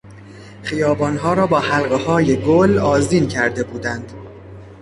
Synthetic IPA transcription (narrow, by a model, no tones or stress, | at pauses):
χijɒːbɒːnɦɒːɾɒːbɒːhælɢehɒːje̞ɡolɒːzd̪iːncʰæɾd̪e̞buːd̪ænd̪̥